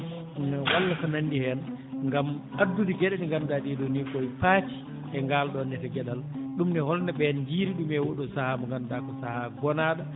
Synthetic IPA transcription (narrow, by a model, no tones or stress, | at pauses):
nwalːatanandihɛnŋɡamʔadːudiɡɛɗaɗiŋɡamdaɗiɗɔnikɔjpaːti̥ | ɛŋɡalɗɔnːɛtɛɡɛɗalɗumnɛhɔlnaɓɛnd͡ʒiːɾiɗumɛwoɗɔsahamŋɡamdakɔsahaɡɔnaːɗa